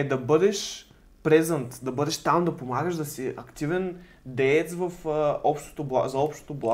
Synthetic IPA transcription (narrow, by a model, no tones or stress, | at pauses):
ɛd̪ɐbɤd̪ɛʃ | pɾɛzənt̪d̪ɐbɤd̪ɛʃt̪amd̪ɐpomaɡəʒd̪ɐsiʔɐkt̪ivɛn | d̪ɛɛt̪svɐfəɔpʃt̪o̥t̪oblˠa̰zɐɔpʃt̪o̥t̪oblˠa